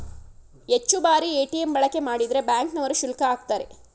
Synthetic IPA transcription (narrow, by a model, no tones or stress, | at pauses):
et͡ʃːubaːɾieːʈijembɐɭɐkːe̞maːɽid̪ɾe̞bjaːŋknɐʋɐɾuʃulkɐaːk̚t̪aːɾe̞̰